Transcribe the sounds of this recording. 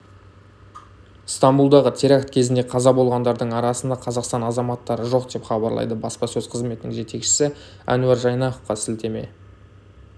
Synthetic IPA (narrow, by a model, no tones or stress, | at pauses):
st̪ɑmbulˠd̪ɑʁət̪ʲʰeɾɑkt̪kʲʰe̞zɪnd̪e̞qʰɑzɑbo̞lˠʁɑnd̪ɑɾd̪əɴɑɾɑsənd̪ɑqʰɑzɑqst̪ɑnɑzɑmɑt̪ːɑɾəʒoq̚d̪e̞pχɑbɑɾlˠɑ̰jd̪əbɑspɑsɵzqʰəzme̞t̪ɪnɪ̰ŋʒe̞t̪e̞kʃɪ̥sɪ | æ̰nuaɾʒɑjnɑqofqɑsɪlt̪e̞me̞̰